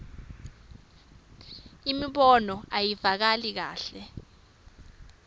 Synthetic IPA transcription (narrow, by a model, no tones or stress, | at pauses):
imiɓɔnɔajivak̬alik̬a̰ːɬɛ